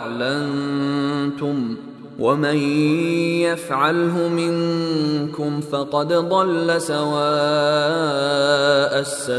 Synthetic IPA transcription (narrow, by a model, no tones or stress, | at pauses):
ʕlan | t̪ʊm | wʔamaj | jafʕalɦʊmɪŋkʊmfɑqɑd̪d̪ˤɑlːasawaː | ʔasːa